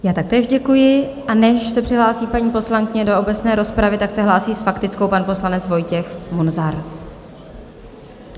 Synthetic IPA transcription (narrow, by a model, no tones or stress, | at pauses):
jaːt̪ak̚t̪ɛːʒɟɛkujɪ | ʔanɛʃsɛpr̝̥ɪɦlaːsiːpaɲiːpo̞slaŋkɪɲɛdo̞obɛt͡snɛːɾo̞spɾavɪt̪aksɛɦlaːsiːsfakt̪ɪt͡sko̞wpanpo̞slanɛt͡svo̞jcɛxmunzaɾ